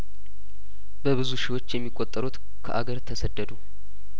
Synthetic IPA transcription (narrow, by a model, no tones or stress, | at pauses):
bəβɨzuʃɪwo̞t͡ʃːjɛmːikʼːot̪ʼːəɾut̪ | kʰəʔaɡəɾt̪ʰəsəd̪ːəd̪u